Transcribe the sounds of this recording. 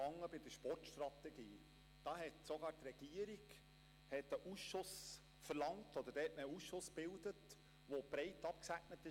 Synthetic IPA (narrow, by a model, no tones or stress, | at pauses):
ɑŋːəbɪd̪əʃpɔrtʃt̪rɑtɛɡ̥iː | d̥ɑːɦɛtsoɡɑːɾtrɛɡ̥iəɾiɡ | hɛtəʔusʃʊs | fəɾlɑŋtɔd̪əɾd̥ɛhɛtməusʃʊsb̥ɪld̪ət | ʋob̥ɾɛɪtɑp̚ksæɡnət̪ɪ